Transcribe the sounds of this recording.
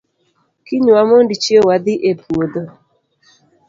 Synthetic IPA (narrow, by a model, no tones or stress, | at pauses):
kiɲuamondit͡ʃiewad̪iʔepuod̪o